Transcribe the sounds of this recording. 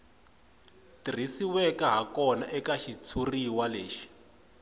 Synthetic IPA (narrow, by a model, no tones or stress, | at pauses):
tir̤isiwɛkaɦakɔnaʔɛkaʃit͡sʰuriwaleːʃi̥